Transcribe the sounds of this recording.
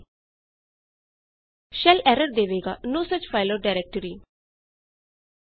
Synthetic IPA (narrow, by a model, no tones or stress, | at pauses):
ʃɛlɛɾəɾd̪eʋeɡanoːsət͡ʃfaɪləɖaɪɾɛk̚ʈəɾi